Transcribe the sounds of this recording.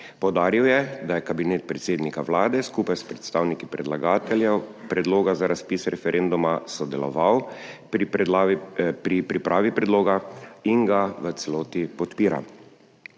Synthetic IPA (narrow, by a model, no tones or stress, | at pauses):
pɔwd̪aːɾiwjɛd̪ajɛkabineːt̪̚pɾɛt̪seːd̪nikaʋlaːd̪ɛskuːpajspɾɛt̪st̪aːwnikipɾɛd̪laɡaːt̪ɛljɛwpɾɛd̪loːɡazaɾaspisɾɛfɛɾʔɛnd̪umasɔd̪ɛlɔ̰ʋaw | pɾipɾipɾaːʋipɾɛd̪loːɡaiŋɡaʋət̪sɛloːt̪ipɔt̪piːɾa̰